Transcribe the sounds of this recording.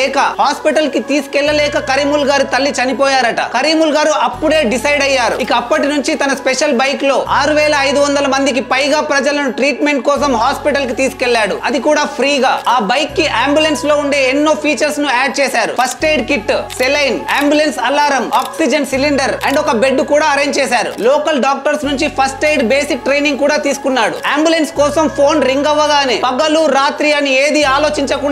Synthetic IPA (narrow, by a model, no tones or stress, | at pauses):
ɛːkɐhaːspiʈɐlkit̪iːsu̥kɛlːɐlɛːkɐkɐɾiːmulɡaːɾut̪ɐlːit͡ʃɐnipɔːjaːɾɐʈɐ̰kɐɾiːmulɡaːɾuʔɐpːuɽe̞ːɖisɐjɖɐjːaːɾṵikɐːpːɐʈinuɲt͡ʃit̪ɐnɐspɛʂɐlbɐjklo̞ːaːɾuʋɛːlɐːjd̪uʋɐnd̪ɐlɐmɐnd̪ik̬ipɐjɡaːpɾɐd͡ʒɐlɐnuʈɾiːʈme̞ɳʈkɔːsɐmɦaːspiʈɐlk̬it̪iːsu̥kɛlːaːɽuɐd̪ikuːɽaːpʰɾiːɡaːaːbɐjkːiʔaːmbjulenslo̞ːuɳɖe̞ːenːo̞ːpʰiːt͡ʃɐɾsnuaːɖ̚t͡ʃɛːsaːɾṵpʰɐsʈejɖkiʈːsɛlɐjnaːmbjulensɐlːaːɾɐmaːksid͡ʒɐnsiliɳɖɐɾɐɳɖɔkɐbe̞ɖːukuːɽaːɐɾejɲd͡ʒt͡ʃɛːsaːɾṵlɔːkɐlɖaːk̚ʈɐɾsnuɲt͡ʃipʰɐsʈejɖbeːsik̚ʈɾejniŋɡ̚kuːɽaːt̪iːsu̥kunːaːɽṵaːmbjulenskɔːsɐmpʰo̞ːnɾiŋɡɐʋːɐɡaːneːpɐɡɐluɾaːt̪ɾijɐnieːd̪iaːlo̞ːt͡ʃiɲt͡ʃɐku